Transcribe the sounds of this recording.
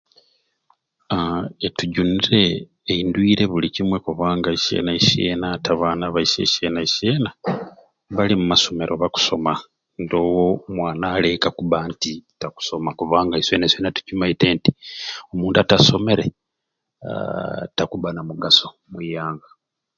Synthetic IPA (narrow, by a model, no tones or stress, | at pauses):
etuɟuniɾe̞ː | indwiːɾe̞βulicimwe̞kuβaːŋɡaiʃḛnaiʃiḛnataβaːnaβaise̞̰ʃenaeʃiena | βalimumaso̞me̞ɾʔoβaku̥so̞ma | ndo̞ːwomwaːnaːle̞kakuβantitaku̥so̞makuβaːŋɡaisweːnasweːnatu̥ɟumaite̞ːnti̥omuːntuataso̞me̞ɾe̞ | takuβanamuɡaso̞ | mujaːŋɡa